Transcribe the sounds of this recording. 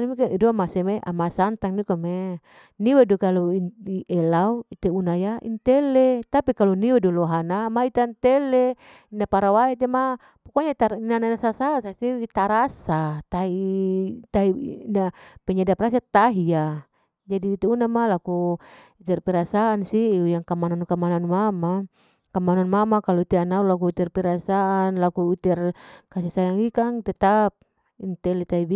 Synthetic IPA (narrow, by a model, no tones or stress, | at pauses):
nmikaidɔamasemeʔa̰masant̪aŋnikome | niwedukaluiiʔɛlauit̪eunajaʔḭnt̪ɛlet̪apikaluniwedulɔɦanamait̪ant̪ɛle | inapaɾawaet̪̬ema | pɔkɔɲat̪ainananasasasasit̪aɾasat̪ait̪ainapɛɲadapɾas̬at̪aɦia | d͡ʒadiːt̪ɛunamalaku | it̪ɛrpiɾasaːnsiujaŋkamanankamananmama | kamananmamakalɔit̪ɛanaulak̬uit̪ɛrpiɾasaʔanlakuit̪ɛrkasisajaŋikaŋt̪ɛt̪ap̚ | int̪ɛlit̪aibi